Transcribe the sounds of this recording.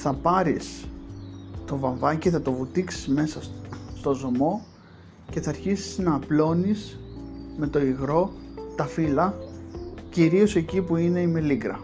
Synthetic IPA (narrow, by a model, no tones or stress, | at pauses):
θɐpɐɾis | t̪o̞vɐɱvɐciθɐt̪o̞vut̪iksi̥zme̞sɐst̪o̞zo̞mo̞ | ce̞θɐːɾçisi̥znɐːplo̞nis | me̞t̪o̞iɣɾo̞t̪ɐfilɐ | ciɾio̞se̞cipuine̞ime̞liɡɾɐ